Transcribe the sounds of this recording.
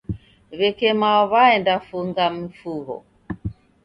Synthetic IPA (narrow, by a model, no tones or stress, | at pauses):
βɛkɛmaɔβaɛndafuŋɡam̩fuɦɔ̰